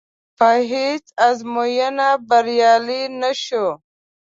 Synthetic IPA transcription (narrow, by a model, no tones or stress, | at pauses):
paɦit͡sazmojanabaɾjɑlinaʃo